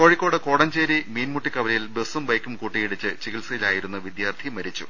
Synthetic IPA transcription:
ko̞ːɻikʲːo̞ːɽɨko̞ːɽɐɲd͡ʑeːɾimiːnmuʈːikɐʋɐlɐjilbesumbɐjkːumkuːʈːijiɽit͡ɕːɨt͡ɕiɣilsɐjilaːjiɾunːɐʋid̪jaːrt̪ʰimɐɾit͡ɕːṵ

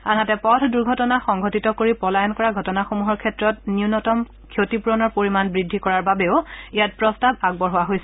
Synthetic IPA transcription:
a̰natɛpɔtʰduɹɡʱɔtɔnaxɔŋɡʱotitɔkoɹipɔlajɔnkɔɹaɡʱɔtɔnaxomuɦɔɹkʰɛtɹɔtniunɔtɔm | kʰjotipuɹɔnɔɹpoɹimanbɹidʱːikɔɹaɹbabɛʊijat̚pɹɔstabaɡ̚bɔɹɦʊwaɦojsɛ

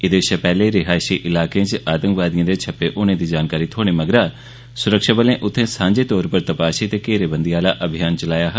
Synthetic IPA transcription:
ɪd̪eɪʃaːpɛːleːɾɪɦaːʃiːʔɪlaːkẽːt͡ʃʔaːd̪əŋɡʋaːd̪ɪjãːd̪eːt͡ʃʰəpːeːʔʊnẽːd̪iːd͡ʒaːnkaːɾiːt̪ʰoːɽ̃eːməɡɾaː | sʊɾəkʃaːbəlẽːʔʊt̪ʰːẽːsãːɲd͡ʒeːt̪ɔːɾpəɾt̪əpaːʃiːt̪eːkeːɾeːbənd̪iaːla̰ːʔəbʱɪjaːnt͡ʃəlaːjaːɦ

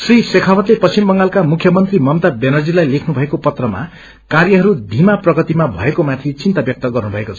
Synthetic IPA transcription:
srisekʰawʌt̪lepʌst͡simbʌŋɡalkamukʰjʌmʌnt̪rimʌmt̪abenʌd͡zilajlekʰnubʱʌekopʌt̪rʌma̰ | karjʌɦʌɾud̪ʱimaprʌɡʌt̪imabʱʌ̰ekomat̪ʰit͡sint̪abjʌk̚t̪ʌɡʌrnubʱʌekot͡sʰʌ̥

